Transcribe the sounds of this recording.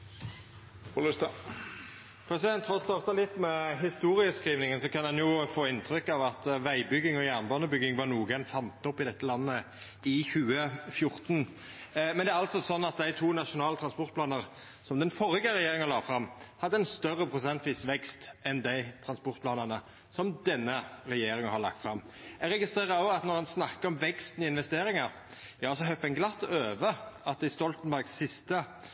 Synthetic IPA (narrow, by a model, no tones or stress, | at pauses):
ɔlɪst̪ə | pʰɛsɪd̪ɛnt̪fɔɔst̪ɑʁt̪əlɪt̪ːmɛɦɪst̪uːɾɪəskɾiːʋnɪŋənsɔkʰɑnd̪ɛnjʊfoːɪnt̪ʰɾʏkːɑʋɑt̪ʋæɪbʏɡɪŋɔjæːʁnbɑnəbʏɡɪŋʋɑʁnuːəɡɛnfɑnt̪ːəɔpːɪd̪ɛt̪ːəlɑnːə | ɪçʉːəfjʊʁt̪n | mɛnd̪ɛæɾɑlsɔsɔnːɑt̪̚d̪æɪt̪ʰuːnɑʂʊnɑːlət̪ʰɾɑnspɔʁt̪plɑːnəʁ | sɔmd̪ɛnfɔɾɪɡəɾɛjeːɾɪŋəlɑːɡfɾɑmhɑd̪ːəɛnst̪œʁːəpʰɾʊsɛnt̪ʋiːsʋɛkst̪ʔɛnd̪æɪt̪ʰɾɑnspɔʁt̪̚pʰlɑːnəʁnə | sɔmd̪ɛnːəɾɛjeːɾɪŋənhɑɾɭɑ̰k̚t̪fɾɑmː | ɛɾɛɡɪst̪ɾeːʁəɾoɑt̪nɔʁhɛnsnɑkːəɾɔmʋɛkst̪n̩ɪɪnʋɛst̪eːɾɪŋəɾ | jɑːɔsɔɦœpːɛnɡlɑt̪ːøːʋəɑt̪̚ɪst̪ɔlt̪ənbæɾɡsːɪst̪ə